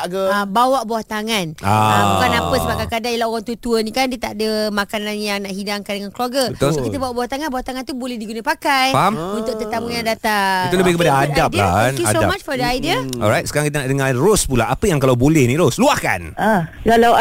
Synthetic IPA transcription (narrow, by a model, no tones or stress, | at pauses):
ɡabawaʔbawaht̪aŋãnaabukanapəsəbaɡajkadaŋilawoɣaŋt̪ut̪uənĩkandiət̪aʔdəmakanãnjaŋnaʔɦidaŋkandəŋankluaɡəəkit̪əbawaʔbawaht̪aŋanbawaht̪aŋant̪ubolɛhdiɡunapakajamunt̪ʊk̪̚ət̪amujaŋdat̪ait̪uləbɪhkəpadaadapa̰kjuasoamat͡ʃfɔdəajdiəɔ̰lɾajt̪sə̥kaɾaŋkit̪ənaʔdəŋarospulaapəjaŋkalawbolɛhnĩɾosluahka̰na | kala